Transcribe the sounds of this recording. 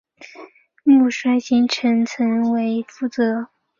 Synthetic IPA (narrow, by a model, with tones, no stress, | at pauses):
mu˥˩ʂwa˥ɪɕi˧˥ŋʈ͡ʂʰə˧˥ŋt͡sʰə˧˥ŋwe˧˥ɪfu˧˥t͡sɤ˧˥